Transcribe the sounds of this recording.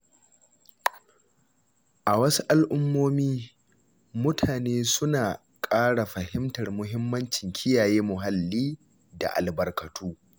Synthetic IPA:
ʔa˨wɐ˦su˦ʔa˦lʔʊ˦mːoː˦miː˦ | mʊ˦tʰaː˨neː˦sʊ˦naː˨ | kʼaː˦ɽa˨ɸɐ˨hɪ˦mtɐ˨rmʊ˦ɦɪ˦mːɐ˦nt͡ʃɪ˨ŋkʲʰɪ˦jaː˨jeː˦mʊ˨ɦa˨lːiː˦ | da̰˨ʔa̰˨lbɐ˨rkɐ˨tʰuː˦

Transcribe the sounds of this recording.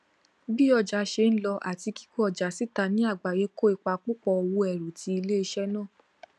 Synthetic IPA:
bi˦ɔ˧˨d͡ʒa˨˦ʃe˧n̩˦lɔ˧ʔa̰˨ti˧ki̥˦ko˦ɔ˨d͡ʒa˨˦si˦ta˧nĩ˨˦a˦˨ɡ͡ba˨je˨˦ko˦i˧k͡pa˧k͡pu˦k͡pɔ˧wo˧ɛ˨ɾu˨tʰi˧˦i˧le˦i˧ʃɛ˦nãː˦˨

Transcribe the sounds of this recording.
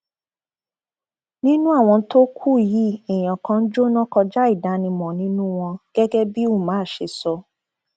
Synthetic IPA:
nĩ˦nũ˦a˦˨w̃ɔ̃˧˦to˦kʰu˦˨ji˨˦i˨j̃ã˨kã˧˦n̩˦d͡ʒo˦nɔ̃˦kɔ˧d͡ʒa˦i˦˨da˨˦nĩ˧mɔ̃˨nĩ˦nũ˦w̃ɔ̃˧ɡ̥ɛ˦ɡɛ˦bi˦o˦˨mãː˨˦˨ʃe˧sɔ˧

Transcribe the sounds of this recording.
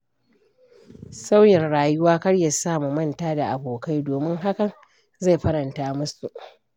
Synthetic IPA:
sa˦wjɪ˨nɽaː˨jʊ˦waː˦kɐ˦ɽjɐ˨saː˦˨mu˨mɐ˦ntaː˦da˨ʔa˨boː˨ka˦jdoː˨mɪ˦ŋɦa˦kɐ˨ŋ | za˦˨jɸɐ˦ɾɐ˨ntaː˦mʊ˦su˨ʔ

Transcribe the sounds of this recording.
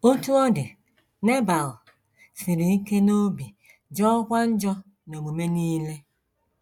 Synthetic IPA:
o˦tu˦ɔ˦dɪ˨ | ne˦ba˨l | sɪ˨ɾi˨˦ke˦no˦bi˨ | d͡ʒɔ˦kʷa˦n̩˦d͡ʒɔ˦ | no˨ɡ͡bo˨me˦niː˦le˦

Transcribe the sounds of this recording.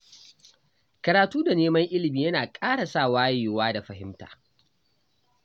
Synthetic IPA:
kɐ˨ɾaː˨tuː˦da˨neː˦mɐ˦ŋʔɪ˦lɪ˨miː˨jɐ˦naː˨kʼaː˦ɽa˨sa˦˨waː˦jeː˨waː˦da˨ɸɐ˦ɦɪ̰˦mta̰ː˨

